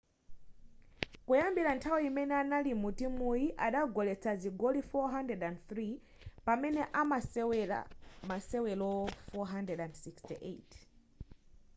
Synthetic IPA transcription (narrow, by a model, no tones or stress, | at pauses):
kujambiɾantʰawiimɛnɛanalimutimujiʔaɗaɡɔlɛt͡sʰaziɡɔlifɔɦandɛdandθɾi | pamɛnɛʔamaa̰masɛwɛlɔfɔɦandɛdandsikstiʔḛt